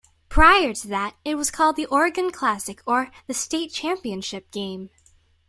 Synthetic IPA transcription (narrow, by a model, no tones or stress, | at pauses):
pʰɹ̥aɪə˞ɾɨðɨɾɨt̚wʌz̥kʰɔlˠd̪̚ðiʔɔɹɨɡɨ̃nkʰl̥æsɨkʰə˞ðɨsteɪt̚t͡ʃʰæ̃mpiɨ̃nʃɪp̚ɡ̥ẽɪ̃m